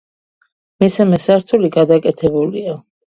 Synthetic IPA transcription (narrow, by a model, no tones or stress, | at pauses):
misɛmɛsaɾt̪ʰuliɡad̪akʼɛt̪ʰɛbulia